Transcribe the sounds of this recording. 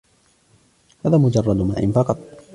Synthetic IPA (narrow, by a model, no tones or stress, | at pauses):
haːðaːmʊd͡ʒɑrˤːɑd̪ma̰ːʔɪ̰nfɑqɑt̪ˤ